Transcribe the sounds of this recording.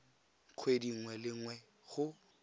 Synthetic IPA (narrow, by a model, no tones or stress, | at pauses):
q͡χʰwediŋ̩wɛlɪŋwɛ | ɣʊ